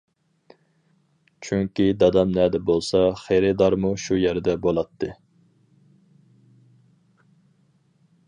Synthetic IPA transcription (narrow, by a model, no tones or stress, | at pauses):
t͡ʃʰyŋkʲid̪ɑd̪ɑmnɛd̪ɛbolˠsɑχeɾɨd̪ɑɾmuʃujæɾd̪ɛbolˠɑt̪ʰːɨ